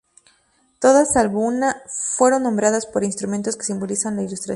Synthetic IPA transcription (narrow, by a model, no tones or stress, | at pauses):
t̪o̞ðasalβounafwe̞ɾo̞nːombɾaðaspo̞ɾinst̪ɾument̪o̞skesimbo̞lisanlailust̪ɾa